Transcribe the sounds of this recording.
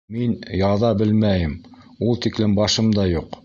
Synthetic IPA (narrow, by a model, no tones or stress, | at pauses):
minjɑðɑbɘlmæjɘm | ulˠt̪iklɘmbɑʃɤmd̪ɑjuq